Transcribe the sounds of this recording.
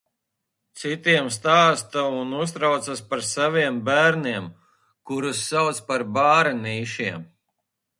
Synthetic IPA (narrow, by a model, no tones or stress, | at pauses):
t̪sit̪iɛmst̪aːst̪aunus̬t̪ɾawt̪saspaɾsaviɛmbæːɾniɛm | kuɾusːawt̪spaɾbaːɾaniːʃiɛm